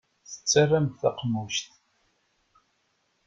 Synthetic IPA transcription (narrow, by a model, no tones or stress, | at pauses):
θə̥t͡sːarːamθaqmuʃt̪